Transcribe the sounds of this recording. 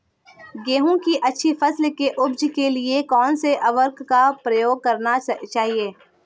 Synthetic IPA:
ɡeːɦõkiʔɐtːʃʰifɐslkeʔʊbd͡ʒkeliekɔːnseʔɐʋəɾkkapɾɐjoːɡ̚kɐɾnat͡ʃaːɦieː

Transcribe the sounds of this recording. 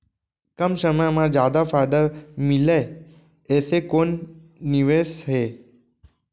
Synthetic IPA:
kəmʃəməmãd͡ʒjad̪afajd̪əmileː | sekonː | iʋesɦe

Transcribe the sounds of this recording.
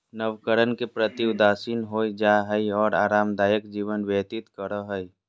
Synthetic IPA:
nəʋkəɾənkepɾət̪iʊd̪aːʃiːnɦoːid͡ʒaːɦəiɔːɾaːɾaːmd̪aːjəkd͡ʒiːʋənʋjət̪ɪt̪kəɾəɦəi

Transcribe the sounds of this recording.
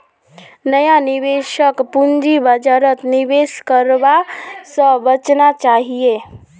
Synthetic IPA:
nəjaniʋeʃəkpund͡ʒibəd͡ʒaɾət̪niʋeːʃkəɾʋasəbət͡ʃnat͡ʃaːɦie

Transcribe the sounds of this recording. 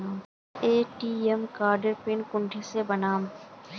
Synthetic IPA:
eːʈiːemkaːɾɖəɾpɪnkʊ̃ɳʈʰesebɐnaːm

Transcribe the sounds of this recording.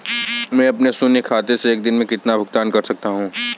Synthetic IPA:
mɛ̃ːɐpnesʊnekʰaːt̪eseːk̚d̪ɪnmẽkɪt̪nabʱʊɡt̪aːnkɐɾsɐk̚t̪aɦũː

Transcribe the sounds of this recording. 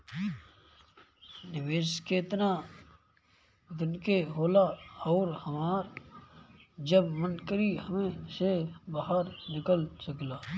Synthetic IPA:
nɪʋeːʃkeːt̪na | d̪ɪnkeɦoːlaɔːɾhəmaːɾ | d͡ʒəbmə̃nkəɾiɦəmẽsebaɦəɾnɪkəlsəklaː

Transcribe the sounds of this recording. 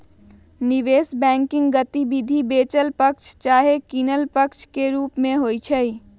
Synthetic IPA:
niʋeːsbɛ̃ːŋkɪ̃ŋɡɡət̪ibid̪ʱibeːt͡ʃəlpəkt͡ʃʰt͡ʃaːɦekinəlpəkt͡ʃʰkeɾuːpmẽɦoːjt͡ʃʰə

